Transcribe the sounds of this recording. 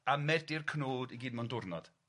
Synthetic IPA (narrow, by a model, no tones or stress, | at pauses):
amɛdɪrkʰnoːdiɡiːd̚mandʊrnɔd̥